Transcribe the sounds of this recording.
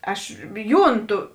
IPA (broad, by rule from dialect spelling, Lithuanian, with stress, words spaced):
ˈɐʃ ˈjuːnˌtʊ